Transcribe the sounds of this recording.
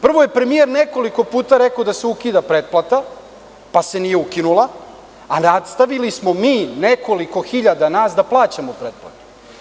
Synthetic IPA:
pr̩ʋo̞je̞pɾe̞mije̞ɾne̞ko̞liko̞puːt̪aɾe̞kad̪aseukiːd̪apɾet̪̚plat̪a | pase̞nije̞ukinulˠa | anad̪st̪aʋilismo̞miːne̞ko̞liko̞xiʎad̪anaːsd̪aplˠaːt͡ɕamopɾet̪̚plˠa̰t̪u̥

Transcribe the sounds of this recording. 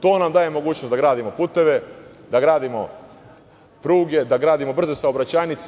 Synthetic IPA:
t̪o̞ːnamd̪aːje̞mo̞ɡuːt͡ɕnosd̪aɡɾaːd̪imo̞puːt̪e̞ʋe̞d̪aɡɾaːd̪imo̞̰ | pɾuːɡe̞d̪aɡɾaːd̪imo̞br̩ze̞saobɾat͡ɕaːnit̪s

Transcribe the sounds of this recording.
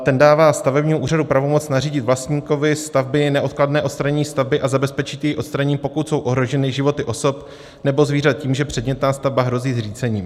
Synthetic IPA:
t̪ɛndaːvaːst̪avɛbɲiːmouːradupɾavo̞mo̞t͡snariːɟɪt̪vlast̪ɲiːko̞vɪst̪avbɪnɛʔo̞t̪̚kladnɛːʔotst̪ɾaɲɛɲiːst̪avbɪʔazabɛspɛt͡ʃɪt̪jɛjʔo̞t̪st̪ɾaɲɲːpo̞kut̪so̞wʔo̞ɦɾo̞ʒɛnɪʒɪvo̞t̪ɪʔo̞so̞p | nɛbo̞zviːɾat̪̚ciːmʒɛpr̝̥ɛdɲɛt̪naːst̪avbaɦɾo̞ziːzriːt͡sɛɲiːm

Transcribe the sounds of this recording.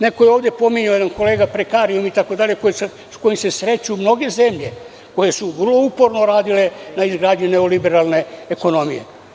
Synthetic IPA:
nekojeoːʋd̪ʲje̞po̞miɲajed̪anko̞leːɡapɾekaːɾiumit̪ako̞d̪aʎekojese | sko̞jimse̞sɾe̞t͡ɕumno̞ɡe̞zemʎe̞ | ko̞je̞suʋərlo̞upo̞ɾno̞ɾaːd̪ile̞naizɡɾaːd̪ɲuneolibe̞ɾalne̞eko̞no̞mijḛ

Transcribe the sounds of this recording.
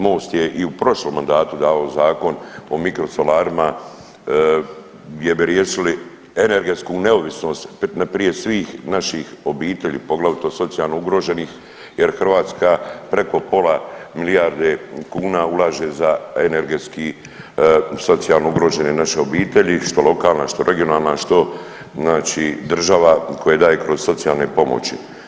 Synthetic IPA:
mo̞ːst̪je̞ʔiupɾo̞ʃlo̞mːand̪aːt̪ud̪aːʋaozaːko̞no̞mikɾo̞solaːɾima | ɡd̪je̞biɾjeːʃili | ene̞ɾɡe̞t̪skune̞o̞ʋisno̞ːst̪napɾije̞sʋiːxnaʃixo̞biːt̪e̞ʎḭːpo̞ɡlaʋit̪o̞so̞t̪sijalˠnouɡɾo̞ʒe̞niːx | je̞ɾxrʋaːt̪skapɾe̞ko̞po̞lamilijaːɾd̪ekuːnaulˠaʒe̞zaene̞ɾɡe̞t̪ski | so̞t̪sijalˠnouɡɾo̞ːʒe̞nenaʃeo̞biːt̪e̞ʎiʃt̪o̞lo̞kaːlˠnaʃt̪o̞ɾʔe̞ɡijo̞naːlˠnaʃt̪o̞ | znaːt͡ʃiːd̪r̩ʒaʋakʰo̞jed̪aːjekɾo̞z̥so̞t̪sijalˠne̞po̞mo̰t͡ɕḭ

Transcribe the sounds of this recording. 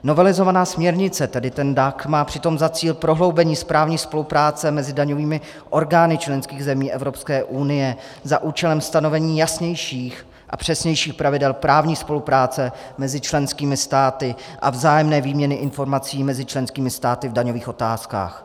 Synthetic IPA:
no̞vɛlɪzo̞vanaːsmɲɛɾɲɪt͡sɛt̪ɛdɪt̪ɛndakmaːpr̝̥ɪt̪o̞mzat͡siːlpɾo̞ɦlo̞wbɛɲiːspɾaːvɲiːspo̞lupɾaːt͡sɛmɛzɪdaɲo̞viːmɪ | ʔo̞ɾɡaːnɪt͡ʃlɛnskiːɣzɛmiːʔɛvɾo̞pskɛːʔunɪjɛ | zaʔuːt͡ʃɛlɛmst̪ano̞vɛɲiːjasɲɛjʃiːx | ʔa̰pr̝̥ɛsɲɛjʃiːxpɾavɪdɛlpɾaːvɲiːspo̞lupɾaːt͡sɛ | mɛzɪt͡ʃlɛnskiːmɪst̪aːt̪ɪʔa̰vzaːjɛmnɛːviːmɲɛnɪʔɪnfo̞ɾmat͡siːmɛzɪt͡ʃlɛnskiːmɪst̪aːt̪ɪvdaɲoviːxʔo̞t̪aːska̰ːx

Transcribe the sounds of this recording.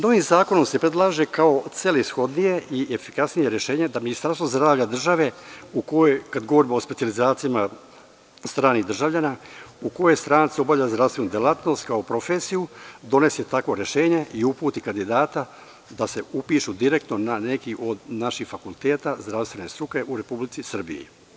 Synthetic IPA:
no̞ʋimzaːko̞no̞mse̞pɾe̞d̪lˠaːʒekao̞t̪selisxo̞d̪nije̞ʔiefi̥kasnije̞ɾje̞ʃe̞ːɲed̪aminist̪aɾst̪vozd̪ɾaːʋʎad̪r̩ʒaʋe̞ukojojkad̪ɡo̞ʋo̞ɾimoospe̞sializaːt̪sijama | st̪ɾaːnid̪r̩ʒavʎanauko̞jest̪ɾaːnt̪sio̞bavʎazd̪ɾavst̪ʋenuːd̪jelat̪no̞st̪kaopɾo̞feːsijud̪o̞ne̞set̪akʋo̞ɾe̞ʃe̞ːɲe̞ʔiupuːt̪ikand̪id̪aːt̪a | d̪ase̞upiʃud̪iɾe̞k̚t̪nonane̞kiʔo̞d̪naʃixfakulˠt̪eːt̪azd̪ɾaʋst̪ʋe̞ne̞st̪ɾuke̞ʔuɾe̞publit̪sisr̩bḭjḭ

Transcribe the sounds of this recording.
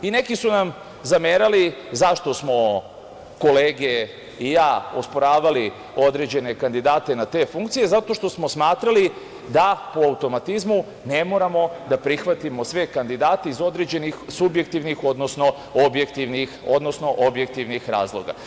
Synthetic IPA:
ine̞kisunam | zameɾalizaʃt̪o̞smo̞ | ko̞leːɡe | ijaːospo̞ɾaːʋali | o̞d̪ɾe̞d͡ʑe̞ne̞kand̪id̪aːt̪e̞nat̪e̞ːfuŋkt̪sije̞zat̪o̞ʃt̪o̞smo̞smaːt̪ɾali | d̪apoaut̪o̞mat̪izmu | ne̞mo̞ɾamo̞d̪apɾixʋat̪imo̞sʋekand̪id̪aːt̪eizo̞d̪ɾe̞d͡ʑe̞nixsubjek̚t̪iʋnixo̞d̪nosno̞ | objekt̪iʋnixod̪nosno̞ʔobjek̚t̪iʋnixɾa̰ːzlˠo̞ɡa̰

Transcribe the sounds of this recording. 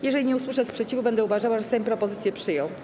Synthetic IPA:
jɛʐɛlʲiɲɛuswɘʂɛspʂɛt͡ɕivubɛnd̪ɛuvaʐawaʐɛsɛ̃pɾɔpɔzɘt̪sjɛpʂɘjɔ̃w̃

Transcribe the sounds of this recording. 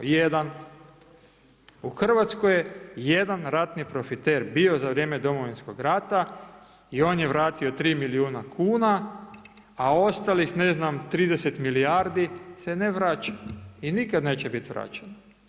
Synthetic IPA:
jed̪an | uxr̩ʋat̪skojejed̪anɾat̪nipɾo̞fit̪eɾbio̞zaʋɾjeːme̞d̪o̞mo̞ʋinsko̞ɡɾat̪a | io̞ːnjeʋɾaːt̪io̞t̪ɾiːmiliuːnakʰuːna | ao̞st̪alixne̞znamt̪ɾiːd̪ese̞t̪miliaɾd̪ise̞neʋɾat͡ʃḁinikad̪neːt͡ɕe̞bit̪ʋɾa̰t͡ɕen

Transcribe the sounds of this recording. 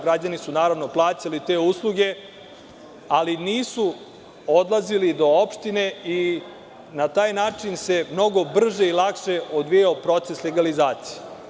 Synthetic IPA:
ɡɾad͡ʑanisunaːɾaʋno̞plˠaːt͡ɕalit̪e̞ːuslˠuɡe̞ | aliniːsu | od̪lˠazilid̪o̞opʃt̪ine̞i | nat̪aːjnaːt͡ʂinse̞mno̞ɡo̞br̩ʒeilˠakʃeʔod̪ʋijaopɾo̞t̪se̞sleɡalizaːt̪si̥je

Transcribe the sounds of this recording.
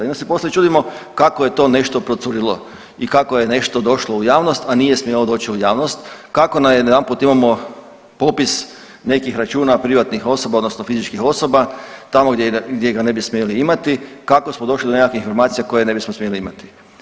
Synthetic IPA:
inosepo̞slet͡ʃuːd̪imokakoje̞t̪o̞ne̞ʃt̪o̞pɾot̪suɾilˠo | ikakojene̞ʃt̪od̪o̞ʃloujaːʋnost̪anijesmjelod̪o̞ːt͡ʃiujaːʋnost̪kako̞namjed̪d̪anput̪imamo̞ | popis | ne̞kixɾat͡ʃuːnapɾiʋat̪nixo̞so̞baod̪nosnofizit͡ʃkixo̞sobat̪amoɡdʲjeɡd̪jeɡane̞bismeeliimat̪ikakosmod̪o̞ʃlid̪onekakiçinfoɾmaːt̪sijako̞jene̞bismosmeliimat̪i̥

